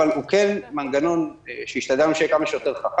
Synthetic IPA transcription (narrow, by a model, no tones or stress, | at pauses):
alhukenmanɡano̞nʃejiʃt̪ad̪amʃejekamaʃejot̪eʁχaχ